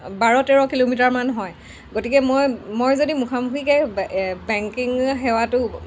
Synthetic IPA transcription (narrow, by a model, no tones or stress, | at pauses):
baɹɔtɛɹɔkilomitaɹmanɦɔj | ɡotikɛmojmojzodimukʰamukʰikɛbɛŋkiŋɦɛwatʊ